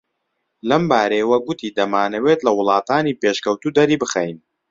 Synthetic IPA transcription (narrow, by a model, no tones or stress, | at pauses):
lɐmbaːɾejwɐɡʊt̪ʰiːd̪ɐmaːnɐweːt̪lɐwʊlˠɑːt̪ʰaːniːpeʃkɐwt̪ud̪ɐɾiːbɨxɛjn